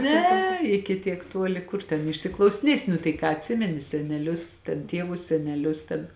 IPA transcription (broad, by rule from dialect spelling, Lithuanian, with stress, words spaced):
ˈnʲɛ ɪkʲɪ ˈtʲiɛk ˈtuɔlʲɪ ˈkʊr tʲɛn ɪʃʲsʲɪklˠɐʊsʲɪˈnʲiɛsʲɪ nʊ tɐɪ ˈkɑː ɐtʲˈsʲɪmʲɛnʲɪ sʲɛnʲɛˈlʲʊs tʲɛn ˈtʲiɛʋʊs sʲɛnʲɛˈlʲʊs tʲɛn